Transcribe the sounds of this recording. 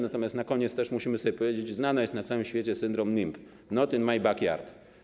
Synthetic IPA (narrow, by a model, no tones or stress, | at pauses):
nat̪ɔmjast̪nakɔɲeɛt̪st̪ɛʂmuɕimɘsɔbʲjɛpɔvʲjed͡ʑet͡ɕznanajɛst̪nat̪sawɘmɕfʲet͡ɕɛsɘnd̪ɾɔmnimp | nɔt̪inmajbakja̰ɾt̪